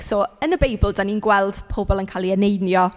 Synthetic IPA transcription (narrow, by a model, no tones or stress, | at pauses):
sɔːənəbejbəl̩ˠdaniːnɡwɛlˠd̥pʰɔbɔlˠənkʰalˠiənejnjɔ